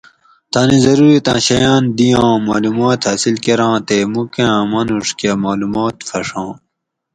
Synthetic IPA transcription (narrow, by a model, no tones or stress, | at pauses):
t̪ʰaːnĩzɐɾuːɾit̪ã̰ːɕɐjãːnd̪ijãːmaːlumaːt̪hɐsilkeɾãːt̪eːmukãːmɐnuʂkamaːlumaːt̪fɐʂãː